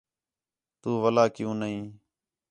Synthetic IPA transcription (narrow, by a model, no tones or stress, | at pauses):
t̪uːʋəlaːkɪjũːnəɦĩː